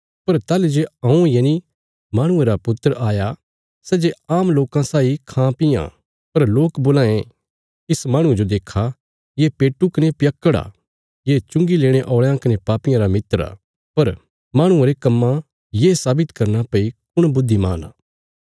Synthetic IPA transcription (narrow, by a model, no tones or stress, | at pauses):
pɐɾt̪aːled͡ʒeɐ̃ũjeni | maːɽ̃ʊ̃ẽɾapʊt̪ːəɾaːja | sɛːd͡ʒeaːmloːkãsaːikʰãːpɪjã̰ | pɐɾloːkboːlãːẽ | ɪsmaːɽ̃ʊ̃ed͡ʒod̪eːkʰa | jepeːʈːukɐnepjɐkːəɽa̰ | jeːt͡ʃʊ̃ŋɡileːɽ̃eʔɔːɭãkɐnepaːpɪjãɾamɪt̪ɾa̰ː | pɐɾ | maːɽ̃ʊ̃ẽɾekɐmːã | jeːsaːbɪt̪kɐɾnapɐikʊɽ̃bʊd̪ʱːimaːna̰ː